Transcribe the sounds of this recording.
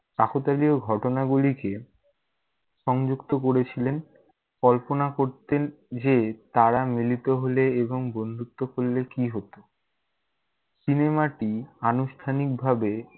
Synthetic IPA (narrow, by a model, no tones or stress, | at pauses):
kakot̪alioɡʱɔʈonaɡulike | ʃɔŋd͡ʑukt̪okoɾet͡ɕʰilen | kɔlponakoɾt̪en | d͡ʑet̪aɾamilit̪oɦoleeboŋbond̪ʱuk̚t̪okolːekiɦot̪o | sinemaʈianuʃʈʰanik̚bʱabe